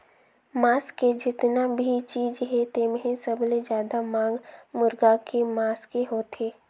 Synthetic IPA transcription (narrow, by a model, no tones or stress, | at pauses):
maːsked͡ʒɪt̪nabʱit͡ʃiːd͡ʒɦɛt̪eːmɦẽsəbled͡ʒjaːd̪amãːɡmʊɾɡakemaːskeɦoːt̪eː